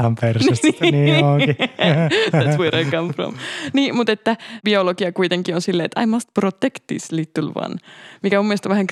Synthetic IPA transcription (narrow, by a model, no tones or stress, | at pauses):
ɑmpersyst̪ːniːoki | æʋuiɾekɑmpro̰mniːmut̪et̪ːæbioloɡiɑkuit̪eŋkionsilːeḛt̪ɑ̰imɑst̪prot̪ekt̪ːḭslit̪ːylʋɑ̰nmikæmumːiest̪oʋæhæŋk